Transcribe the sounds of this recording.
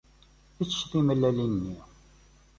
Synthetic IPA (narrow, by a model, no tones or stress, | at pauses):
it͡sːə̥ʃðˤiməlːælinnːi